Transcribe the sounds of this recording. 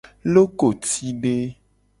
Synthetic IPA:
lo˦ko˨t̪i˦ɖe˦

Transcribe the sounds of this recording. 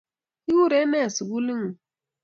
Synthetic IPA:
i˦wu˦ɾe˦me˦˨si˨ɡu˦li˦ŋu˨

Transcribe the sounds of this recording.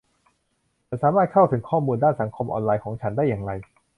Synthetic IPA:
t͡ɕa˨˩saː˩˦maː˥˩t̪̚kʰa˥˩wt̪ʰɯ˩˦ŋkʰɔː˥˩muː˧ndaː˥˩nsa˩˦ŋkʰo˧mʔɔ̰ː˧nlaː˧jkʰɔː˩˦ŋt͡ɕʰa˦˥ndaː˥˩jːaː˨˩ŋɾa˧j

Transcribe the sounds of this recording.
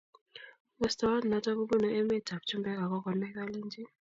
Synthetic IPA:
mɔ˨sta˨˦wa˦n̩˨na˨ta˦ku˦ɓu˦nɔ˨ʔe˦me˦tʰa˨ku̥˨tʰu˦mbɛ˦k̬a˨k̬ɔ˦kɔ˨nɛ˦k̬a˦liː˦nd͡ʒi˦

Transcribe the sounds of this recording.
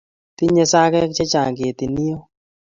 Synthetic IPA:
t̪i˦ɲɛ˧sa˦kɛ˦kt͡ʃɛ˦t͡ʃa˨ŋɡe˨t̪i˨ni˦o˦

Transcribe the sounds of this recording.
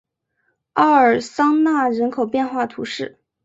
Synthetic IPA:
ɑ˥˩ə˞˨˩sɑ˥ŋna˥˩ɻə˧˥nkʰo˨˩ʊpjɛ˥˧nxwa˥˩t̪ʰṵ˧˥ʂɻ̩˥˩

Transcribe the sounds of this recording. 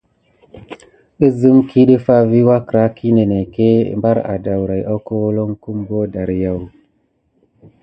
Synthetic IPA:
ə˦zɨ˦mki˦ɗə˦fa˦vi˦wa˦kɾa˦kʰi˦ne˨ne˨ke˦mba˦ɾa̰˨da˨wɾa˨ja˦ko˦wo˦lo˦ŋku˦mbo˦da˨ɾja˨w

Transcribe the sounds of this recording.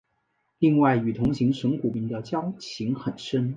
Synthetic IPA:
li˥˧ŋwa˥˩ɪy˨˩t̪ʰʊ˧˥ŋɕi˧˥ŋʂɤ˧˥ŋku˨˩mi˧˩ŋt̪ə˥˧t͡ɕjɑ˥ʊt͡ɕʰi˧˥ŋxə˨˩nʂə˥n

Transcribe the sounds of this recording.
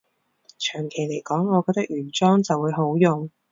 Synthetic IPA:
t͡ʃʰœː˨˩ŋkʰe˨˩jle˨˩jkɔː˨˥ŋːɔː˨˧kɔː˧˥t̪ɐ˥k̚jyː˨˩nt͡ʃɔː˥ŋt͡sɐ˨wuː˨˧jɦo˨˥wjʊ˨ŋ

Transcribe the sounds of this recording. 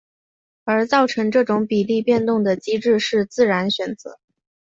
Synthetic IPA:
ə˞˧˥t͡sɑ˥˩ʊʈ͡ʂʰɤ˧˥ŋʈ͡ʂɤ˥˩ʈ͡ʂʊ˧˥ŋpi˨˩li˥˧pjɛ˥˧nt̪ʊ˥˩ŋd̪ə˩t͡ɕi˥ʈ͡ʂɻ̩˥˧ʂɻ̩˥˧t͡sɹ̩˥˩ɻa˧˥nɕɥɛ˨˩nt͡sɤ̰˧˥

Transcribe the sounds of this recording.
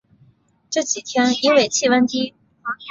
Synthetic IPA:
ʈ͡ʂɤ˥˩t͡ɕi˨˩t̪ʰjɛ˥ni˥nwe˥˩ɪt͡ɕʰi˥˩wə˥nt̪i˥

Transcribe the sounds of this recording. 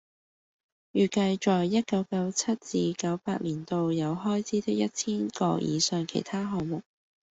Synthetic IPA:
jyː˨˩kɐ˧jt͡ʃɔː˨jːɐ˥t̚kɐ˨˥wkɐ˨˥wt͡sʰɐ˥t̚t͡siː˧kɐ˨˥wpaː˧t̚liː˨˩nt̪o˧wjɐ˨˧wɦɔː˥jt͡sʰiː˥t̪ɪ˥k̚jɐ˥t̚t͡sʰiː˥nkɔː˧jḭː˨˧sœː˧ŋkʰe˨˩jt̪ʰaː˥ɦɔː˨˩ŋmʊ˨k̚

